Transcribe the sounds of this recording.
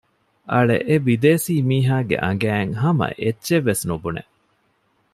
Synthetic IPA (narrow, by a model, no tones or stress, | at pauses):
ʔɐɭḛʔebid̪eːsiːmiːɦaːɡḛʔɐŋ̆ɡæːŋɦɐmɐ̰ʔetːʃeʋːesnubunḛ